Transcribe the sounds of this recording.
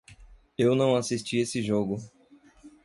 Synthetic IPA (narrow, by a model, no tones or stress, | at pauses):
ewnɐ̃w̃asist͡ʃiesɪʒoɡʊ